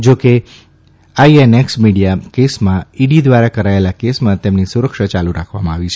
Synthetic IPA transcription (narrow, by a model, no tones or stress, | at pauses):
d͡ʒoke | aieneksmiɽijakesmãiɖid̪ʋaɾakəɾaelakesmãt̪emnisuɾəkʃət͡ʃaluɾakʰʋamãaʋit͡ʃʰe̥